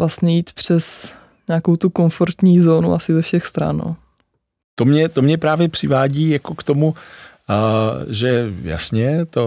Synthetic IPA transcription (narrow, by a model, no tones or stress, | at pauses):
vlast̪ɲɛjiːt̪pr̝̥ɛs | ɲaːko̞wt̪ukonfoɾt̪ɲiːzoːnuʔasɪzɛfʃɛxst̪ɾa̰nːo̰ | t̪omɲɛt̪omɲɛpɾaːvjɛpr̥ɪvaːɟiːjakokt̪omu | ʒɛja̰sɲɛt̪o